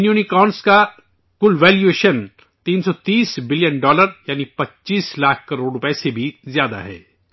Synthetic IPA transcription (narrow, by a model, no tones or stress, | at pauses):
njuːnikɔːnska | kʊlʋɛːljueːʃən | t̪iːnsɔt̪iːsbɪlijənɖɔːləɾjaːnipɐtːt͡ʃːʃiːslaːk̚ʰkɐɾoːɽɾʊpɛɛsebʱizjaːd̪a̰ɦɛ̰ː